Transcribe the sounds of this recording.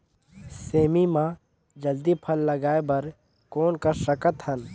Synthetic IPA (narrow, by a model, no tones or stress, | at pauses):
seːmimã | d͡ʒəld̪ipʰəlːəɡaːebɐɾ | kɔːnkəɾsəkət̪ɦən